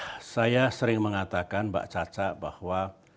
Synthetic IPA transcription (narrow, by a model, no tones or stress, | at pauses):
sajasəɾɪŋməŋat̪akanba̰ʔt͡ʃat͡ʃaʔba̰hwa